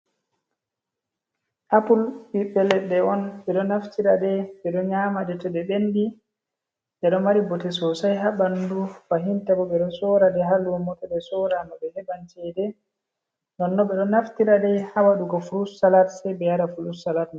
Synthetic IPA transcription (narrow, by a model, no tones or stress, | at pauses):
ʔapulbiɓːɛlɛɗɛɔnɓɛɗɔnaftiɾadɛɓɛɗɔɲamadɛtɛɗɛɓendi | ɗɛɗɔmaɾibɔtɛsɔsajɦaɓandufaɦintabɔɓɛɗɔsɔɾadɛɦalwɔmɔtɛɗɛsɔɾanɔɓɛhɛbant͡ʃɛdɛ | nɔnːɔɓɛɗɔnaftiɾadɛhawaɗuɡɔfulussalatsɛjbɛjaɾafulussalatnɔ